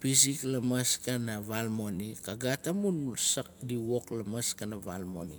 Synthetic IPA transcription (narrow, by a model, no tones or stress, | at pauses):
pis̬iklamaskanaβalmonikaɡatamunsak̚diwoklamaskanaβalmo̞̰nḭ